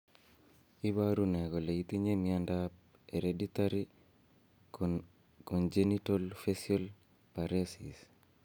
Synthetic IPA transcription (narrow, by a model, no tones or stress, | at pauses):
iβaɾunɛɡɔleit̪iɲemiandap̚ | eɾeditaɾi | kond͡ʒenitolfesiol | paɾesḭs